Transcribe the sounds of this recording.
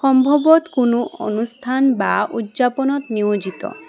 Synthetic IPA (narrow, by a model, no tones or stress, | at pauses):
xɔmbʱɔbɔt̪kunuʔo̰nust̪ʰanbaud̪d͡ʒapɔnɔt̪niod͡ʒit̪ɔ̰